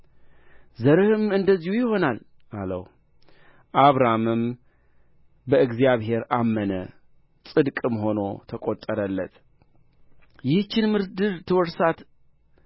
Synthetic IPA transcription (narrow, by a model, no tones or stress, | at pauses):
zəɾɨhɨmɨnd̪əzːihujɪho̞nal | ʔalə̰w | ʔaβɾamɨm | bəɨɡzijaβhe̞ɾamːənə | sʼɨd̪kʼɨmho̞no̞̰t̪ʰəkʼo̞t̪ʼːəɾəlːət̪ | jɪht͡ʃːɪnmɨɾd̪ɨɾt̪ʰɨwɔɾsat̪